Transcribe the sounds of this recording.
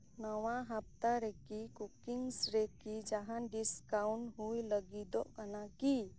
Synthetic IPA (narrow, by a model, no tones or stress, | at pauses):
nəwãɦəp̚t̪aɾekikukiŋsɾekid͡ʒaɦãnɖiskawɳɦujləɡid̪ɔʔkanaki